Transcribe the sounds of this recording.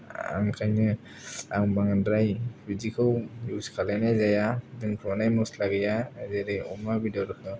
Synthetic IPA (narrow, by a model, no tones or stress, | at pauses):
a̰ŋkʰajnɯ | a̰wbaŋandɾajbizikʰɯwjuskʰalanajzajadɯŋkʰɯmanajmɔslaɡɛjazeɾɯjɔmabidɔɾɯkʰɯ